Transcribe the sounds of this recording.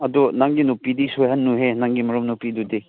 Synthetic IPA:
ɐdunaŋɡinupidisojɦɐnːuɦenaŋɡimɐɾɔmnupidudi

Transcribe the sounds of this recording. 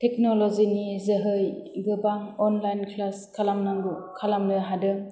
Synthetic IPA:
tɛknɔlɔzinizɯɦɯjɡɯbaŋɔnlajnkʰlaskʰalamnaŋɡukʰalamnɯɦadɯŋ

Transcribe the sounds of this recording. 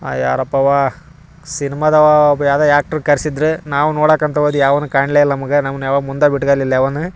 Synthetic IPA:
a̰ja̰ːɾɐpːɐʋa | sinimad̪ɐʋabjaːd̪ɐjaːk̚ʈɐɾkɐɾsid̪ɾenaːʋunoːɽaːkːɐnt̪ʰɐʋoːd̪ujaːʋɐnːukaːɳleilɐnɐmɐɡenɐmɐnjaːʋɐmund̪ɐbiʈɡɐlilːɐaʋɐnːu

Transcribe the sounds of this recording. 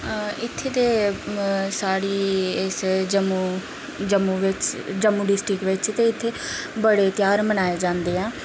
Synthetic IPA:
ɪt̪ʰːeːt̪eː | saːɾiːɪsd͡ʒəmuː | d͡ʒəmːuːʋɪt͡ʃd͡ʒəmːuːɖɪsʈɾɪkʋɪt͡ʃt̪eːɪt̪ʰːeːbəɽeːt̪ɪjaːɾmənaːeːd͡ʒãːnd̪eːɛ̃ː

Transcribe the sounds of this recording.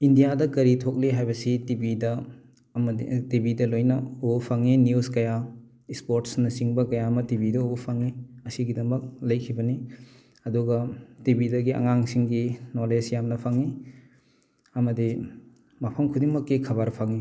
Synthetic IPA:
indijadɐkɐɾitʰok̚liɦajbɐsitibidɐ | mdḭtibidɐlojnɐopʰaŋinjuskɐja | ispoɾtsnɐsiŋbɐkɐjamɐtibidɐopʰaŋiɐsiɡidɐmɐk̚lɐjkʰibɐni | ɐduɡɐtibidɐɡiʔɐ̰ŋaŋsiŋɡinolesjamnɐpʰaŋi | ɐmɐdi | mɐpʰɐmkʰudiŋmɐkːikʰɐβaɾpʰaŋi

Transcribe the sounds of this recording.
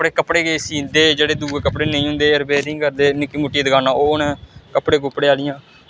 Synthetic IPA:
əpɽeːkəpɽeːɡeːsiːnd̪eːd͡ʒeːɽeːd̪uːɡeːkəpɽeːnəĩːɦʊ̃ːnd̪eːəɾbeːɾĩːkəɾd̪eːnɪkːiːmʊʈːiːd̪əɡaːnaːoːnẽːkəpɽeːɡʊpɽeːaːlɪjãː

